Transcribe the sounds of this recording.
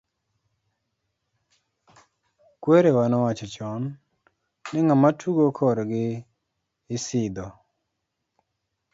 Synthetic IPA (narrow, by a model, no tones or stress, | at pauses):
kweɾewanɔwat͡ʃɔt͡ʃɔnː | ɪŋamatʰuɡokʰɔɾɡɪː | sɪd̪ɔ